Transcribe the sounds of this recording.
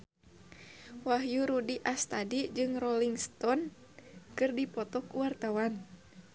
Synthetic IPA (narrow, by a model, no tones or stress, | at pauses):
waɦjuɾudiʔast̪adid͡ʒɨŋrɔliŋst̪ɔn | kɨrdipɔt̪ɔkuwart̪awan